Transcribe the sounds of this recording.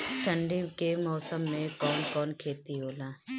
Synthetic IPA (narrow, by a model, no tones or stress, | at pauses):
ʃɐɳɖikemɔːsəmːẽkɔːnkɔːnkʰeːt̪iɦoːlaː